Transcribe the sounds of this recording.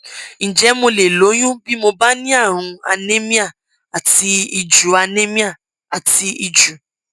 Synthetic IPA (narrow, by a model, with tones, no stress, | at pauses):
n̩˨d͡ʒɛ˨˦mõ˧le˨lo˨˦jũ˦bi˦mo˧ba˦nĩ˦a˦˨ɦʊ̃˧a̰˧ne˦mĩ˦a˦˨ | a˨ti˧i˧d͡ʒu˨˦a˧ne˦mĩ˦a˦˨ | a˨ti˧ʔi˧d͡ʒu˨